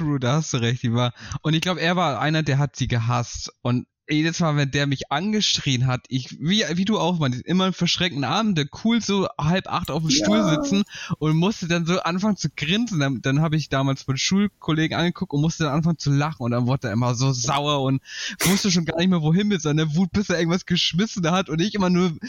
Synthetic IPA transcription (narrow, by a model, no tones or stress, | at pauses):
ʁuːdaːhastd̥uːʁɛçt̚d̥iːvaːɐʔʊntɪçɡ̥laʊbəeːɐvaːɐʔa̰ɪnɐdeːɐɦatz̥iːɡəɦastʊntː | dstmaːlvɛndeːɐmɪçʔanɡəʃʁ̥iːənɦatʔɪçviːviːduːaʊxmaɪnsʔɪmɐɪnfɛɐʃʁ̥ɛŋktn̩ʔaːbm̩dɛkʰuːlzoːhalpʔa̰χtʔaʊfm̩ʃtuːlzɪt͡sn̩ʔʊntmʊstədanzoːʔanfaŋənt͡suɡʁɪnzn̩dad̥anɦaːbəɪçd̥aːmaːlsfɪʃuːlkʰoleːɡŋ̩ʔa̰nɡəkʰʊk̚tʊntmʊstədanʔanfaŋənt͡sulaχn̩ʊntd̥anvʊɐtəd̥aːɐʔɪmɐzoːzaʊɐʊntv̥ʊstəʃ̬oːnɡaːɐnɪçtmeːɐvoːɦɪnbɪlzɔndɐnɐvuːt̚b̥ɪseːʔɪɐɡŋ̩tvasɡ̥əʃmɪsn̩hatʊntnɪçʔɪmɐnuːɐ